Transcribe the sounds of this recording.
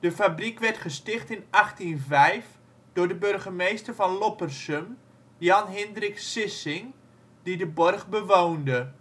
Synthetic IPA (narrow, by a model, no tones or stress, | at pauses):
d̥əfabrikʋɛrtχəstɪχtɪnaχtinvɛjf | d̥ʊːrdəbørɣəmejstərfɑnlopərsəm | jɑnɦɪndrɪksɪsɪŋ | didəbɔrχbəʋoːndə